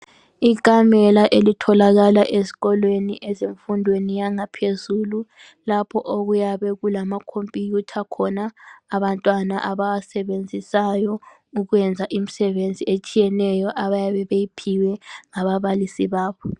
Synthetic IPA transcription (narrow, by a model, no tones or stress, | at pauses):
ikʼamɛlaʔelitʰɔlaɣalaʔezi̥ɣɔlweniʔɛzeɱfundʱwenijaŋapʰezuːlu | lapʰɔʔoɣujaβɛɣulamakʰompʼijutʰakʰɔnaːβantʼwanaʔaβaasɛβend͡zʱisajɔ | uɣwɛnd͡zʱaʔim̩sɛβend͡zʱiet͡ʃʼijɛnɛjɔʔaβajaβɛβejipʰiwɛŋaβaβalisiβaːβɔ